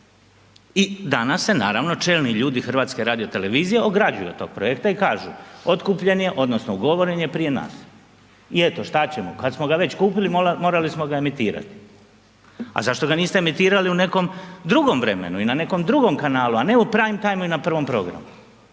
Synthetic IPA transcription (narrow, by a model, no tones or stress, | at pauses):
id̪anasːe̞naːɾaʋno̞t͡ʃe̞ːlniʎuːd̪ixrʋaːt̪ske̞ɾaːd̪ijo̞t̪e̞le̞ʋiːzijeoɡɾad͡ʑṵjet̪o̞ːɡ̥̚pɾoekt̪aikaːʒṵo̞t̪kuːpʎe̞nje̞ʔo̞d̪no̞snouɡo̞ʋo̞ɾe̞ɲe̞pɾije̞na̰ːs | ie̞t̪o̞ʃt̪at͡ɕe̞mokad̪smo̞ɡaʋe̞t͡ɕkuːpilimmo̞ːɾalismo̞ɡae̞mit̪iːɾa̰t̪i̥ | a̰zaʃt̪oɡaniːst̪eemit̪iːɾaliune̞ko̞md̪ɾuɡo̞mʋɾḛmḛnuinane̞ko̞md̪ɾuɡo̞mkanaːluane̞upɾaːʋimt̪ajmuinapr̩ʋo̞mpɾo̞̰ɡɾa̰mu